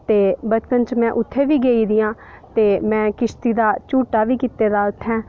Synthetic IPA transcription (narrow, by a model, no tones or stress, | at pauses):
t̪eːbət͡ʃpənt͡ʃmɛ̃ːʔʊt̪ʰːeːʋiːɡeːiːd̪ɪjãː | t̪eːmɛ̃ːkɪʃt̪iːd̪aːt͡ʃuːʈaːʋiːkiːt̪eːd̪aːt̪ʰɦɛ̃ː